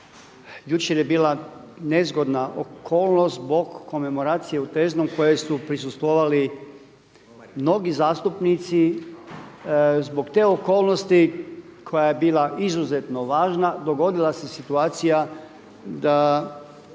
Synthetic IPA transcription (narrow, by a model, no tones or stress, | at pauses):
jut͡ʃeɾjebiːlˠane̞zɡo̞d̪naʔo̰kʰo̞ːlˠnost̪zbo̞kːo̞me̞mo̞ɾaːt̪sije̞ut̪eːznomko̞jesupɾisust̪ʋoʋali | mno̞ɡizaːst̪upnit̪si | zbo̞kt̪e̞ːo̞ko̞ːlˠnost̪ikʰo̞jajebiːlˠaʔizuze̞t̪noʋaːʒnad̪o̞ɡo̞d̪ilˠase̞sit̪uaːt̪sija | d̪a